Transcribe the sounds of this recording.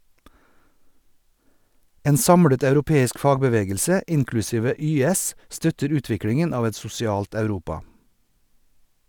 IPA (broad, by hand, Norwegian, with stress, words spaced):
ˈeːn ˈsɑmɽət ɑʉɾʊˈpeːɪsk ˈfɑːɡbəˌʋeːɡəlsə ˈɪnklʉˌsiːʋə ˈyːɛs ˈstœtəɾ ˈʉːtʋɪkɽɪŋən ˈɑːʋ ˈɛt sʊsɪˈɑːlt ɑʉˈɾuːpɑ